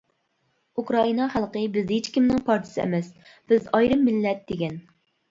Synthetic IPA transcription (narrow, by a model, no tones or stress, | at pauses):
ukɾɑinɑχælˠqəbɪzet͡ʃkʲimnɪŋpʰɑɾt̪ʰɨ̥sɪɛ̰mɛs | b̥ɪzɑjɾɨmːɪlːɛt̪̚d̪eɡʲɛn